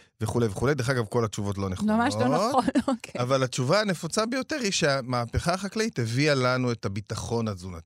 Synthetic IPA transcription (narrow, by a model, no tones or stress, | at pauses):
ve̞χule̞jveχulejd̪eχaɡavko̞lat͡ʃuvo̞t̬lo̞neχmamaʃlonatonkavalat͡ʃuvaane̞fot͡sabejo̞teʁhiʃeamaːpe̞χaːχakleit̪evialanue̞tabitaχo̞nazunat̪i̥